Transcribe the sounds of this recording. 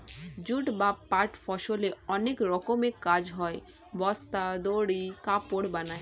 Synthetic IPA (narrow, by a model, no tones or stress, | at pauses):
d͡ʑuʈbapːaɾʈfɔʃoleɔnekɾɔkomekːad͡ʑɦɔe | bɔst̪ad̪oɽikapoɽbanae